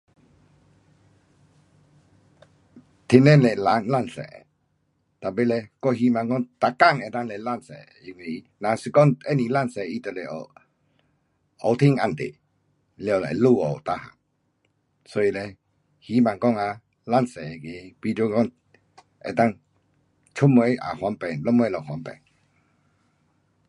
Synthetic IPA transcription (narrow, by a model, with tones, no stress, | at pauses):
t̪ʰi˨˧˨nɛ˦˨nlɛ˧˨la˨˦ŋla˥˧˨nsɛ̰˨ɛ̰˨ | t̪a˨pe˦˨lɛ˧kɔ˥˦˨hi˧˦mã˨ŋkɔ˧˨ŋt̪a˧˨ka˦˥˨ŋɛ˨t̪a˧ŋlɛ˧˨la˥˧˨nsɛ̰˨ | i˧˨ŋwe˧i˧na˨si˧kɔ˦ŋɛ˦˨ni˨la˥˧˨nsɛ˨i˧˦t̪ə˨lɛ˨ʔɔ̰˧˨ | ɔ˧˦t̪ʰi˥˨ŋa˧˨nt̪ḛ˨ | lja˧˨la̰˨jlu˥˧ɔ̰˨t̪a˧ha̰˨m | sɔ˧˦i˧˨lɛ˧ | hi˧˦mã˨ŋkɔ˥˨ŋa˧ | la˥˨nsɛ˨ɛ˨ke˨pi˧˦to˧˦kɔ˥˧˨ŋ | ʔɛ̰˨t̪a˥˧˨ŋ | t͡ʃʰu˦˨m˧ɛ˧˦a̰˨hwa˨˧˦npɛ˨ŋlɔ˦˥m˧ɛ˧˦lɔ˨hwa˨˦npɛ̰˨ŋ